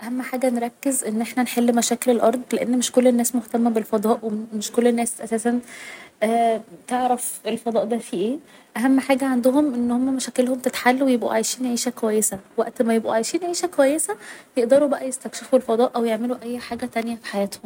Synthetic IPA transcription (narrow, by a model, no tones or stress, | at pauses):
ʔæhæmːħaːɡænɾˤɑkːezʔenːʔeħnænħelːmæʃæːkelelʔɑɾˤd̪ˤleʔenːmeʃkolːenːæːsmoht̪æmːæbelfɑd̪ˤɑːʔwemeʃkolːenːæːsʔæsæːsænʔæːt̪eʕɾæfʔelfɑd̪ˤɑːʔd̪æfiʔeː | ʔæɦæmːħaːɡæʕand̪oɦomʔenːhomːæmæʃækelhomt̪et̪ħalːuwejebʔṵʕajʃiːnʕiːʃækowæjːesæwæʔt̪mæjebʔṵʕaːjʃiːnʕiːʃækowæjːesæjeʔd̪ɑɾubæʔæjest̪ækʃefuelfɑd̪ˤɑːʔæwjeʕmeluʔæjːħaːɡæt̪ænjæfi̥ħajæːt̪hom